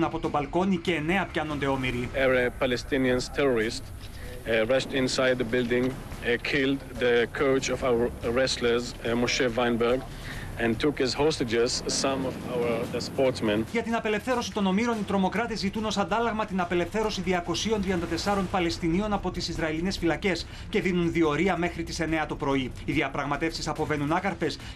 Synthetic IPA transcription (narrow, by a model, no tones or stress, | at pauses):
nɐpo̞t̪o̞bɐlko̞niceːne̞ɐpçɐno̞nd̪e̞omiɾiɛɹapalɛst̪ɪ̃niə̃nztʰɛɹɔɹɪst | ɹaʃtɪ̃nsajd̪ðəbɪldɪ̃ŋ | kʰɪldðəkʰoʊt͡ʃɔvawəɹɛsləzmoʃɛvãjnbɛɾɡ | ɛ̃ntukhɪzhostɪd͡ʒɛzsãmɔvawə˞spɔɹtsmɛ̃nʝɐt̪inɐpe̞le̞fθe̞ɾo̞si̥t̪o̞no̞miɾo̞nit̪ɾo̞mo̞kɾɐt̪ezit̪uno̞sɐnd̪ɐlɐɣmɐt̪inɐpe̞le̞fθe̞ɾo̞siðiɐko̞sio̞nt̪ɾiɐnd̪ɐt̪e̞sɐɾo̞npɐle̞st̪inio̞nɐpo̞t̪isizɾɐeline̞sfilɐce̞s | ce̞ðinunðio̞ɾiɐme̞xɾit̪ise̞ne̞ɐt̪opɾo̞i | iðiɐpɾɐɣmɐt̪e̞fsisɐpo̞ve̞nunɐkɐɾfe̞s